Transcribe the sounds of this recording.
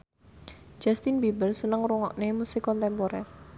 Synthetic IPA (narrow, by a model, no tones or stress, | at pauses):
d͡ʒ̥ast̪inbibərsənəŋɾuŋɔʔnemusikɔnt̪ɛmpoɾɛr